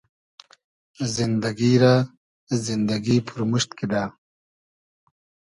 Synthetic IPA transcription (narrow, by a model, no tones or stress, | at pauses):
zind̪aɡiɾa | zind̪aɡipʰuɾmuʂt̪kid̪aː